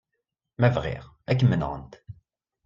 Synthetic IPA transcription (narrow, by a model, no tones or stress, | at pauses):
mævʁḭʁ | ækːəmːən̰ʁə̰nt̪